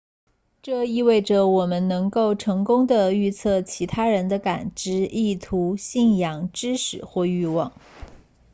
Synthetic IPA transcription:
ʈ͡ʂɤ˥˧i˥˧we˥˩ɪʈ͡ʂə˩wɔ˨˩mə˦nnɤ˧˥ŋko˥˩ʊʈ͡ʂʰɤ˧˥ŋkʊ˥ŋd̪ə˨y˥˧t͡sʰɤ˥˩t͡ɕʰi˧˥t̪ʰa˥ɻə˧˥nd̪ə˧ka˨˩nʈ͡ʂɻ̩˧˥i˥˩t̪ʰu˧˥ɕi˥˩njɑ˨˩ŋʈ͡ʂɻ̩˥ʂɻ̩˨˩˦xwɔ˥˧y˥˧wɑ˥˩ŋ

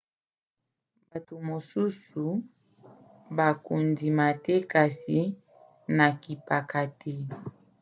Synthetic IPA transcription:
ba˨to˨mo˨su˦su˨ | ba˨ku˨ndi˨ma˨tɛ˦ka˨si˨ | na˨ki˨pa˨ka˨te˦

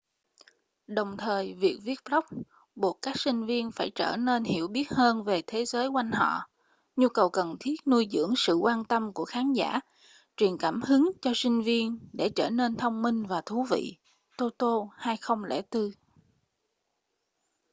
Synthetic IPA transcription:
ɗə˨˩wŋ͡mt̪ʰəː˨˩jvi˨˩ək̚vi˦˥ət̚lə˦˥wk͡p̚ | ɓo˨˩t̚kaː˦˥k̚sï˧ŋ̟vi˧ənfaː˧˩jt͡ɕə̰ː˧˩ne˧nhi˧˩əwɓi˦˥ət̚həː˧nve˨˩t̪ʰe˨˦zəː˨˦jkwa˧jŋ̟ɦɔ̰˧˨ | ɲu˧kə˨˩wkə˨˩nt̪ʰi˦˥ət̚nu˧jzɨ̰˧˥əŋsɨ̰˧˨kwaː˧nt̪ə˧mku˧˩əxaː˨˦nza̰ː˧˩ | t͡ɕwi˨˩ənkaː˧˩mhɨ˨˦ŋt͡ɕɔ˧sï˧ŋ̟vi˧ənɗe˧˩t͡ɕəː˧˩ne˧nt̪ʰə˧wŋ͡mmï˧ŋ̟vaː˨˩t̪ʰu˨˦vḭ˧˨ | t̪o˧t̪o˧haː˧jxə˧wŋ͡mlɛ̰˧˥t̪ɨ˧

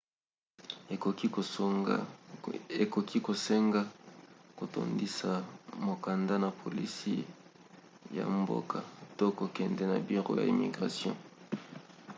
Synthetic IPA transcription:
o˨ki˦ | e˨ko˨kʰi˦ko˨sɛ˦ŋɡa˦ko˨to̰˨ndi˦sa˨mo˨ka˨nda˦na˨pʰo˨li˦si˦ | ja̰˨mbo̰˦ka˨to˦ko˨kɛ˨ndɛ˦na̰˨bi˦ʁo̰˦ja̰˨i˨mḭ˨ɡʁa˨sjɔ̰̃˦

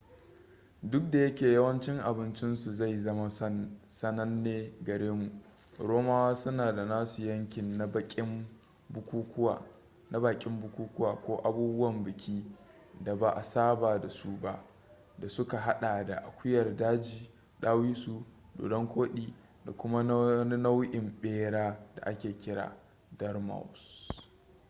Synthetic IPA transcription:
dʊ˦k̚da˨jɐ˦kʲeː˨jɐ˦wɐ˦nt͡ʃɪ˦ŋʔa˨bɪ˦nt͡ʃɪ˦nsu˨za˦˨jzɐ˦ma˦sɐ˦nɐ˦nːeː˦ɡɐ˨ɾeː˦mu˨ʔ | ɾoː˦maː˦waː˦sʊ˦naː˨da˨naː˦su˨jɐ˦ŋkʲɪ˨nːa˦ɐ˦kʲʼɪ˦m | bʊ˦kʷuː˦kʷʊ˦wa̰˨ | na˦baː˨kʲʼɪ˦mbʊ˦kʷuː˦kʷʊ˦waː˨kʷoː˦ʔa˨buː˦bʊ˦wɐ˨mbɪ˨kʲʰiː˦ | da˨ba˨ʔa˨saː˦baː˨da˨su˦ba˦ʔ | da˨sʊ˦ka˨ɦa˦ɗaː˨da̰˨ʔa˨kʷʊ˦jɐ˨rdaː˦d͡ʒiː˨ | ɗaː˦wiː˦su˨do̰ː˨dɔ˦ŋkʷoː˦ɗiː˨ | da̰˨kʷʊ˦ma˦n˦na˦wʔɪ˨mɓeː˦ɽaː˦da̰˨ʔa˦kʲeː˨kʲɪ˦ɽa̰ː˨ | dɐ˦rma̰˨ws

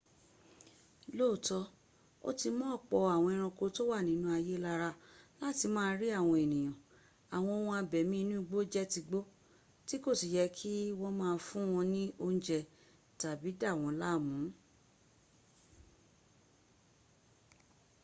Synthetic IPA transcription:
lo˦˨tɔ˧˦ | o̰˦ti˧mɔ̃˦˨k͡pɔ˧a˨w̃ɔ̃˧i˧ɾ̃ɔ̃˧ko˧to˦wa˦˨nĩ˨˦nũ˦a˧je˦la˧ɾa˧la˦ti˧mãː˦˧˦ɾi˦a˦˨w̃ɔ̃˧e˨nĩ˨j̃ɔ̃˨ | a˨w̃ɔ̃˧˦wɔ̃˧˦a˧bɛ˨mĩ˦i˧nũ˦i˧ɡ͡bo˦d͡ʒɛ˦ti˧ɡ͡bo˦ | ti˦ko˦˨si˨jɛ˧˦kʰi˦wɔ̃˧mãː˦˧˦fũ˦w̃ɔ̃˧nĩ˦o˧ñ˦d͡ʒɛ˨ | ta˨bi˨˦da˦˨w̃ɔ̃˧la˦˨mũ˨˦

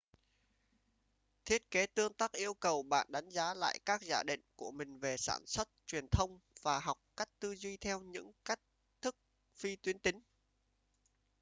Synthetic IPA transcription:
t̪ʰi˦˥ət̚ke˨˦t̪ɨ˧əŋt̪aː˦˥k̚ʔi˧əwkə˨˩wɓa̰ː˧˨nɗa˨˦jŋ̟zaː˨˦la̰ː˧˨jkaː˦˥k̚zaː˧ɗḭ̈˧˨ŋ̟ku˧˩əmï˨˩ŋ̟ve˨˩sa̰ː˧˩nswə˦˥t̚t͡ɕwi˨˩ənt̪ʰə˧wŋ͡mvaː˨˩ɦɔ˨˩wk͡p̚ka˦˥jk̟̚t̪ɨ˧zwi˧t̪ʰɛ˧wɲɨ̰˧˥ŋka˦˥jk̟̚ | t̪ʰɨ˦˥k̚ | fi˧t̪wi˨˦ənt̪ï˨˦ŋ̟

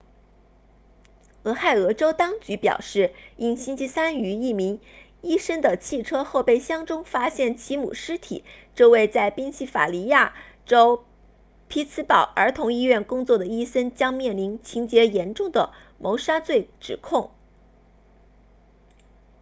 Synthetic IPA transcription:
ɤ˧˥xa˥˩ɪɤ˧˥ʈ͡ʂo˥ʊt̪ɑ˥ŋt͡ɕy˧˥pjɑ̰˨˩ʊʂɻ̩˥˩i˥nɕi˥nt͡ɕʰi˥sa˥ny˧˥i˥˩mi˧˥ŋ | i˥ʂə˥ŋd̪ə˨t͡ɕʰi˥˩ʈ͡ʂʰɤ˥xo˥˧ʊpe˥˩ɪɕjɑ˥ŋʈ͡ʂʊ˥ŋfa˥ɕjɛ˥˩nt͡ɕʰi˧˥mṵ˨˩ʂɻ̩˥t̪ʰḭ˨˩˦ʈ͡ʂɤ˥˧we˥˧ɪt͡sa˥˩ɪpi˥ŋɕi˥˩fa̰˨˩li˧˥ja˥˩ | ʈ͡ʂo˥ʊ | pʰi˥t͡sʰɹ̩˥pɑ˨˩ʊʔə˞˧˥t̪ʰʊ˧˥ŋi˥ɥɛ˥˩nkʊ˥ŋt͡swɔ˥˩d̪ə˩i˥ʂə˥nt͡ɕjɑ˥ŋmjɛ˥˩nli˧˥nt͡ɕʰi˧˥ŋt͡ɕjɛ˧˥jɛ˧˥nʈ͡ʂʊ˥˩ŋd̪ə˩ | mʔo˧˥ʊʂa˥t͡swe˥˩ɪʈ͡ʂɻ̩˨˩kʰʊ˥˩ŋ

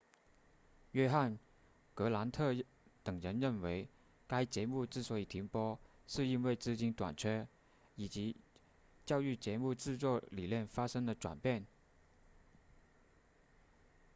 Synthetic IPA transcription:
ɥɛ˥xa˥˩n | kɤ˧˥la˧˥nt̪ʰɤ˥˩ | t̪ɤ˨˩ŋɻə˧˥nɻə˥˩nwe˧˥ɪ | ka˥ɪt͡ɕjɛ˧˥mu˥˧t͡sɹ̩˥˩swɔ˧˥i˨˩t̪ʰi˧˥ŋpwɔ˥ | ʂɻ̩˥˧i˥nwe˥˧ɪt͡sɹ̩˥˧t͡ɕi˥nt̪wa̰˨˩nt͡ɕʰɥɛ˥ | i˨˩t͡ɕi˧˥ | t͡ɕjɑ˥˧ʊy˥˩t͡ɕjɛ˧˥mu˥˧t͡sɹ̩˥˧t͡swɔ˥˩li˨˩ljɛ˥˩nfa˥ʂɤ˥ŋd̪ə˨ʈ͡ʂwa̰˨˩npjɛ˥˩n

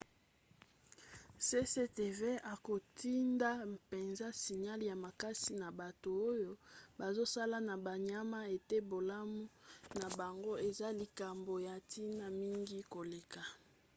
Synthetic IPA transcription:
se˦se˦te˨ve˦a˨ko˨tʰi˦nda˦pe˨nza˦si˨ɲa˦lja˨ma˨ka˦si˦na˨ba˨to˨o˦jo˦ba˨zo˦sa˦la˦na˨ba˨ɲa˦ma˦e˨te˦bo˨la˦mu˦na˨ba˨ŋɡo˦e˨za˦li˨ka˨mbo˨ja˨tʰi˦na˦mi˦ŋɡi˦ko˨le˨ka˨

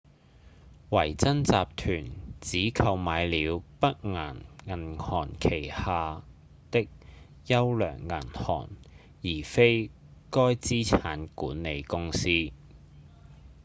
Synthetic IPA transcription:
wɐ˨˩jt͡sɐ˥nt͡saː˨p̚t̪ʰyː˨˩nt͡siː˨˥kʰɐ˧wmaː˨˧jliː˨˧wpɐ˥k̚ŋa̰ː˨˩nŋɐ˨˩nhɔː˨˩nkʰe˨˩jhaː˨ | t̪ɪ˥k̚ | jɐ˥wlœ̰ː˨˩ŋːɐː˨˩nhɔ̰ː˨˩n | jiː˨˩fe˥j | kɔː˥jt͡siː˥t͡sʰaː˨˥nkuː˨˥nːe˨˧jkʊ˥ŋsiː˥

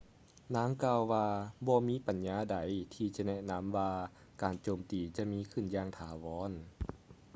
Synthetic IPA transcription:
naː˧˥˨ŋkaː˧wːaː˧bɔː˧miː˧˥˨pa˨˦nɲaː˧˥˨da˨˩jt̪ʰiː˧t͡ɕa˧nɛ˧˥ʔna˧˥˨mʋaː˧ | kaː˨˩nt͡ɕoː˨˩mt̪iː˨˩t͡ɕa˧˦miː˧˥˨kʰɯ˧˩˨njaː˧ŋt̪ʰaː˨˦wɔː˨˧˥n

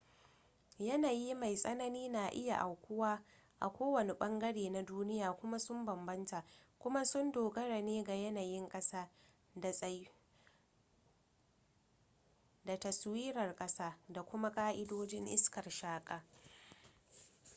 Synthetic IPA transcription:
jɐ˦naː˨ji˦ma˨jsʼɐ˦nɐ˦niː˦na˨ʔɪ˦ja̰˨ʔa˨wkʷʊ˦waː˦ | ʔa̰˨kʷoː˦wɐ˨ne˨ɓɐ˦ŋɡɐ˦ɽeː˨na˦duː˦nɪ˦jaː˨kʷʊ˦ma˦sʊ˦mbɐ˨mbɐ˦nta˨kʷʊ˦ma˦sʊ˦ndoː˨ɡɐ˦ɽa˨neː˦ɡa˨jɐ˦naː˨jɪ˦ŋkʼɐ˦saː˦˨ | da˨tɐ˨swiː˦ɾɐ˨rkʼɐ˦saː˦da˨kʷʊ˦ma˦kʼaː˦ʔɪ˦doː˦d͡ʒɪ˦ŋʔɪ˦skɐ˨rʃaː˦kʼaː˨

